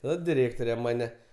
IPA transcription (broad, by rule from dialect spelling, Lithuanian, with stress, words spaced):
ˈnʊ dʲɪˈrʲeːktoːrʲɛ ˈmɑːnʲɛ